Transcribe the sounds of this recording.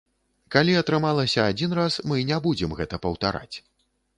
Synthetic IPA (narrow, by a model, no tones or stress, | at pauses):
kalʲiɐt̪ɾɨmalˠɐsʲɐad͡zʲin̪rasmɨnʲɛbud͡zʲɛmɣɛt̪ɐpɐwt̪a̰ɾa̰t͡sʲ